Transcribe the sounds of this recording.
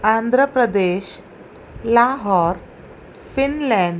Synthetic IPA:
and̪ʱɾəpɾəd̪eɕ | laɦɔɾ | finlɛ̃ɳɖ

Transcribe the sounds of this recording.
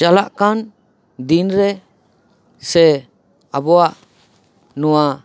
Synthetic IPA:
d͡ʒalaʔkan | dinɾɛ | sɛ | abɔaʔ | nɔwa

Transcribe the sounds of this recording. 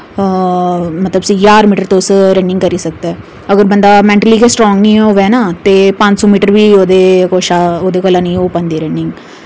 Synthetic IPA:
mət̪ləbsiːjaːɾmiːʈəɾt̪oːsɾɛ̃ɳɖɪ̃ŋkəɾiːsək̚d̪aɛː | əɡəɾbənd̪aːmɛ̃ːɳʈəliːkesʈɾɔ̃ːŋɡnĩːoːʋɛːnaːt̪eːpə̃ɲd͡ʒsõːmiːʈəɾʋiːoːd̪eːkoːʃaːoːd̪eːkəlãːnĩːoːpə̃nd̪iːɾɛ̃ɳɖɪŋɡ

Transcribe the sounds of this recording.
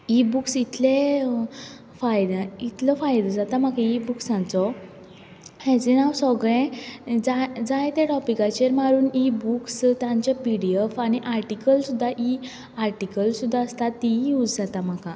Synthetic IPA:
ibuksit̪ʰle | fajd̪ait̪ʰlɔfajd̪əd͡zat̪am̤akãibuksãnt͡sɔ | hɛ̃d͡zinawsɔɡɭɛ̃d͡zad͡zajt̪ɛʈɔpikat͡ɕeɾmaɾuːnibukst̪jãɲt͡ɕapiɽiəfañiʔaɾʈikəlsud̪ʱːaʔi | aɾʈikəlsud̪ʱːaəst̪at̪ːijud͡zd͡zat̪am̤aka

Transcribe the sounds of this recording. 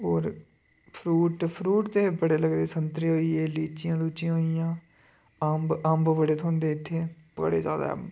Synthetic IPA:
oːɾ | pʰɾuːʈpʰɾuːʈt̪eːbəɽeːləɡd̪eːsənt̪ɾeːɦoːiːeːliːt͡ʃɪjãːluːt͡ʃɪjãːɦoːijãː | əmbəmbbəɽeːt̪ʰõːnd̪eːɪt̪ʰːeːbə̰ɽḛːd͡ʒaːd̪a̰

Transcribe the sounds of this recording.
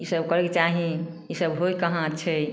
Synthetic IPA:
isəbkəɾeket͡ʃaɦĩ | isəbɦojkəɦãt͡ʃʰɛ

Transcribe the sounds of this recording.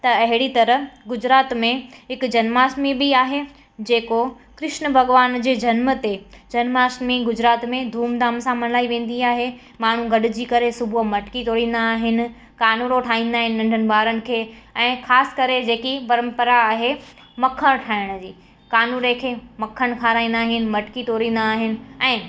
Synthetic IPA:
t̪ɐɐɦɪɽit̪ɐɾəɡʊd͡ʑɾaːt̪mẽɦɪkd͡ʑɐnmaːsmibɪaːɦe | d͡ʑeːko | kɾɪʃnə̆bʱɐɡʋaːnd͡ʑeːd͡ʑɐnmət̪ed͡ʑɐnmaːsmiɡʊd͡ʑɾaːt̪mẽd̪ʱuːmd̪aːmsãmɐnlaːiʋẽːn̆d̪iaːɦe | maːɳ̤ũɡɐɗʊ̆d͡ʑiːkɐɾesʊbʱumɐʈkit̪oːɽĩːn̆d̪aːɦɪnɪ̆ | kaːnuːɾoʈʰaːĩːnd̪aːɦɪnɪ̆ːɐ̃ɳɖʱənɪ̆bʱaːɾənɪ̆kʰeːɛ̃ːxaːsɪ̥̆kɐɾed͡ʑeːkipɐɾə̃mpəɾaːɦe | mɐkʰəɽ̃ʈʰaːɪɽ̃d͡ʑiː | kaːnuːɾẽkʰeːmɐkʰːəɽ̃kʰaːɾaːĩːn̆d̪aːɦɪnɪ̆mɐʈkit̪oːɾĩːn̆d̪aːɦɪnɪ̆ɛ̃ː

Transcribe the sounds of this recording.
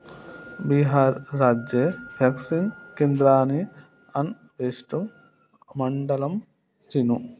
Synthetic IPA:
biɦaːɾːaːd͡ʒjepʰɐksinkend̪ɾaːni | ɐn | ʋeːsʈum | mɐɳɖɐlɐm | sinu

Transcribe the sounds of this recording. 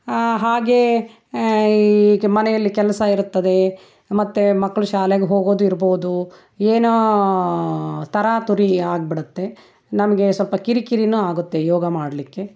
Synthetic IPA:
ɦaːɡe | mɐnɛjɐlːikɛlɐsɐiɾut̪ːɐd̪e̞ | mɐt̪ːemɐkːɐɭuʃaːleɡeɦoːɡoːd̪uiɾboːud̪u | eːno | t̪ɐɾaːt̪uɾiaːɡ̚biɽut̪ːe̞ | nɐmɐɡe̞sʋɐlpɐkiɾikiɾinuaːɡut̪ːe̞jɔːɡɐmaːɽɐlikːe̞

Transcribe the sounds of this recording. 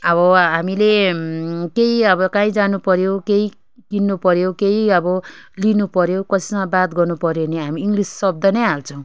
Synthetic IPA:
ʌbʌɦamile | keiʌbʌkãĩd͡zanupʌɾjokei | kinːupʌɾjokeiʌbʌlinupʌɾjokʌsi̥mabat̪ɡʌrnupʌɾjoneɦamiːŋɡlisːʌb̚d̪ʌnʌjɦalt͡sʰʌ̃w̃

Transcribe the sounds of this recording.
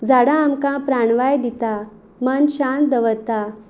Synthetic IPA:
d͡zaɽãːmkãpɾaɳʋajd̪it̪a | mənɕand̪əʋəɾt̪a

